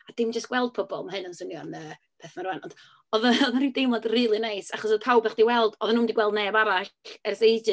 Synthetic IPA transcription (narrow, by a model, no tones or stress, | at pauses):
ad̥ɪmd͡ʒəstɡ̥wɛlˠd̥̚pʰɔbɔ̰lˠmahɨnansʊnjɔnəː | pʰeːθmaɾwɛnɔnd̥ | ɔðaɔðaɾɪdejmɔdriːlˠinejsaχɔs̬ɔðpʰawbɛχd̥iwɛlˠd̥ɔðanuːmndiɡwɛlˠdneːbaɾaɬɛrsejdɨ